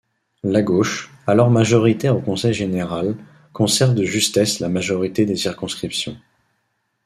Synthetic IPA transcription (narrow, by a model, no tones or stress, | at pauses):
laɡoʃ | alɔʁmaʒɔʁit̪ɛʁokɔ̃sɛjʒeneʁal | kɔ̃sɛʁvd̪əʒyst̪ɛslamaʒɔʁit̪ed̪esiʁkɔ̃skχipsjɔ̃